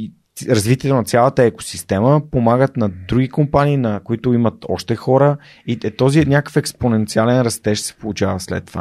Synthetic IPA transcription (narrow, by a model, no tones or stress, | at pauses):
ɾɐzvit̪iɛt̪onɐt̪sʲjalˠət̪əɛko̥sist̪ɛməpomaɡət̪nɐd̪ɾuɡikompaniːnɐkoit̪ʊimət̪ɔ̰ʃt̪ɛxɔɾə | iɛt̪ɔzinʲjakə̥fɛksponɛnt̪sialɛnɾɐst̪ɛʃsɛ̥polˠut͡ʃavəslɛ̰t̪ːova̰